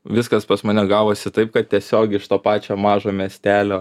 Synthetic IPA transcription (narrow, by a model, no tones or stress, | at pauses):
ʋʲɪskɐspɐsmɐnʲɛɡɑːʋoːsʲɪt̪ɐɪp̚kɐt̪t̪ʲiɛsʲoːɡʲɪɪʃt̪oːpɑːt͡ʃʲoːmɑːʒoːmʲiɛsʲt̪ʲæːlʲoː